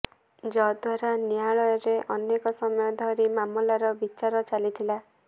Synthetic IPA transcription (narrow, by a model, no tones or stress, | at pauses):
d͡ʒɔd̪waɾaniaɭɔjɔɾeʔɔnːekɔsɔmɔjɔd̪ʱɔɾimamɔlaɾɔbit͡ʃaɾɔt͡ʃalit̪ʰila